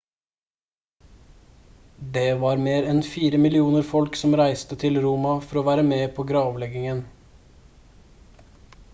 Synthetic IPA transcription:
d̪eːʋɑːɾmeːɾɛnfiːɾəmɪlɪuːnəɾfɔlksɔmɾæɪst̪ət̪ʰɪlɾuːmɑfɔɾoːʋæːɾəmeːpʰoːɡɾɑːʋlɛɡɪŋən

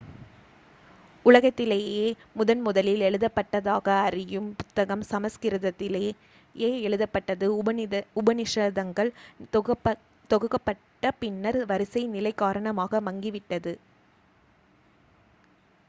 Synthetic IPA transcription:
ʊɭɐɣɐt̪ːɪleːjeːmʊðɐnmʊðɐlɪlɛɭɯðɐpːɐʈːɐðaːɣɐːrɪjɯmpʊt̪ːɐɣɐmsɐmɐskɪɾɯðɐt̪ːɪleː | eːɛɭɯðɐpːɐʈːɐðɯʊbɐnɪʂɐðɐŋɡɐɭ | t̪ɔɣɯkːɐpːɐʈːɐpɪnːɐɾʋɐɾɪsɐɪnɪlɐɪkːaːɾɐɳɐmaːɣɐmɐŋɡɪʋɪʈːɐðɯ

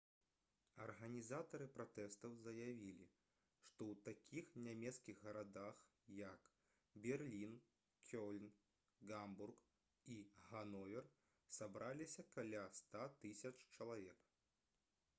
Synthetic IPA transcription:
ɐrɣɐnʲizat̪ɐɾɨpɾat̪ɛst̪ɐwzɐjavʲilʲḭ | ʂt̪ɔwt̪akʲixnʲamʲɛt̪skʲiɣɣɐɾad̪ax | jɐk | bʲɛrlʲin | kʲɔlʲn | ɡamburk | iɣanɔvʲɛr | sabɾalʲisʲɐkalʲast̪at̪ɨsʲɐt͡ʂt͡ʃɐlˠavʲɛk

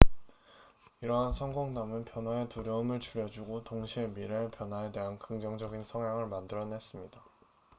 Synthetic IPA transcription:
iɾʌɦansʰʌŋɡoŋnamɯnpjʌnwae̞tuɾjʌɯmɯɭt͡ɕuɾjʌd͡ʑuɡotoŋɕʰie̞miɾepjʌnɦwae̞de̞ɦankɯŋd͡ʑʌŋd͡ʑʌɡinsʰʌŋjaŋɯɭmandɯɾʌnes͈ɯmɲida

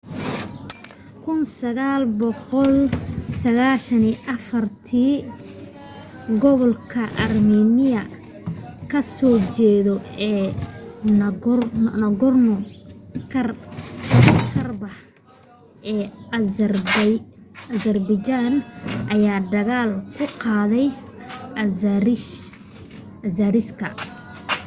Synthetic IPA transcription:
kʰʊnsɐɣaːlbɔqɔlsɐɣaːʃɐniːʔɐfɐrt̪ʰiː | ɡɔβɔlkʰɐʔɐrmiːnɪjɐ | kʰɐsɔːt͡ʃɛːðɔɛː | nɐɣɔrnɔkʰɐr | kʰɐrbɐh | ʔɛːrb | ɐzɐrbɪt͡ʃanʔɐjaːd̪ɐɣaːlkʰʊqɑːðɛj | ɾɪ | ɐzɐɾɪskʰɐ̰

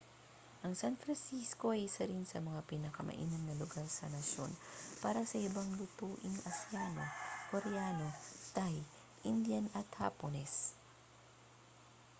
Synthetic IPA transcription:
ʔɐŋsanfɾɐnsisko̞ʔɐjɪsɐɾinsɐmɐŋapinɐkɐmʔɐ̰ʔḭːnɐnnɐlʊɡaɾsɐnɐʃjo̞̰npaːɾɐsɐʔɪbaŋlʊt̪uːʔɪŋɐsɪjaːno̞koɾɛjaːno̞t̪aj | ʔɪnd̪janɐt̪ha̰ponɛs

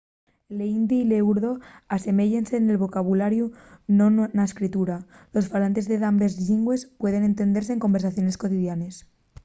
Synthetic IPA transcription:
leind̪iːleuɾðo̞ase̞me̞ʝense̞ːne̞lβo̞kaβ̞ulaɾjunonnaeskɾit̪uɾalo̞sfalant̪e̞zðe̞ðambe̞zʎiŋɡwe̞spwe̞ð̞e̞ne̞nt̪e̞nd̪eɾs̬eːŋko̞mbeɾsaθjo̞ne̞sko̞t̪iðjane̞s

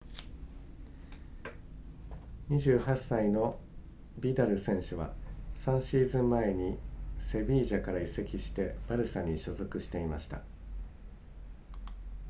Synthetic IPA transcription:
ɲ̟iʑɨːhasːaino̞ | bʲid̪aɾɯ̟sẽ̞ɰ̃ɕɯβa̰sãɰ̃ɕiːzɨ̃mːae̞ɲ̟ise̞bʲiːʑakaɾaise̞kʲiɕi̥t̪e̞b̥aɾɯ̟saɲ̟ːiɕo̞zo̞kɯ̟ɕi̥t̪e̞imaɕi̥t̪a̰

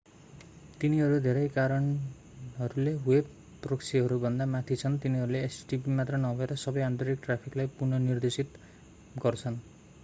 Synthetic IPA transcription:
t̪iniɦʌɾud̪ʱeɾʌjkaɾʌn | ɦʌɾuleɦueb̚ | proksʰiɦʌɾubʱʌnd̪amat̪ʰit͡sʰʌnt̪iniɦʌɾuleːsʈipimat̪rʌnʌbʱʌeɾʌsʌbʌjant̪roɾik̚ʈrapʰiklajpurnʌnird̪esit̪ | ɡʌrt͡sʰʌn

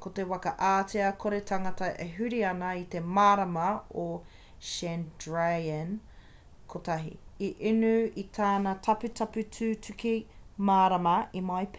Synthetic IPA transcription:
kot̪e̞wɐkɐʔaːteɐkʰoɾetʰɐŋɐtɐʔeɦʉɾiɐnɐit̪emaːɾɐmɐo | ʃɛndɹaɐn | kʰotɐɦḭiʔinʉit̪ʰaːnɐtʰɐpʉtʰɐpʉtʰʉːtʰʉkimaːɾɐmɐimajp

